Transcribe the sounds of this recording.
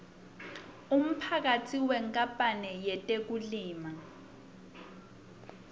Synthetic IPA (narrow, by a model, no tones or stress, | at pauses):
um̩pʰak̬atʰiwɛŋkʼapʼanɛjɛtʼek̬uliːma